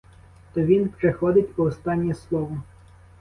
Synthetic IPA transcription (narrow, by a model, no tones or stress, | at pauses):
t̪ɔʋʲinpɾexɔd̪ɪtʲpɔʊst̪ɑnʲːislˠɔʋɔ